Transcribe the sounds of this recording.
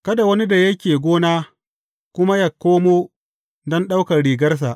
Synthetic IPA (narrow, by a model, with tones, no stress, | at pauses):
kɐ˦da˨wɐ˦ni˦da˨jɐ˦kʲeː˨ɡʷoː˦naː˦ | kʷʊ˦ma˦ja˨kːoː˦moː˦ | dɔ˦nɗa˦wkɐ˨ɽiː˨ɡɐ˦rs̬a˨ʔ